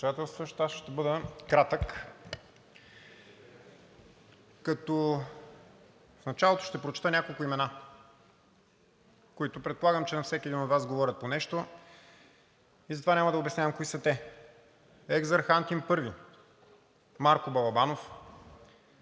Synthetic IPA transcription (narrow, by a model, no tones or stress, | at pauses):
d̪at̪ɛlˠst̪vəʃt̪asʃt̪ɛbɤd̪əkɾat̪ək | kɐt̪ɔ | fnɐt͡ʃalˠot̪o̥ʃt̪ɛpɾot͡ʃɛ̥t̪ənʲakolˠkʊimɛna | koit̪ʊpɾɛt̪̚polˠaɡəmt͡ʃɛnɐfsɛkʲiɛd̪inod̪vazɡovɔɾʲət̪̚ponɛʃt̪o | izɐt̪ovanʲamɐd̪ɐobɛsnʲavəmkoisət̪ɛ | ɛɡzɐɾxant̪impɤɾvi | maɾkʊbɐlˠɐbanof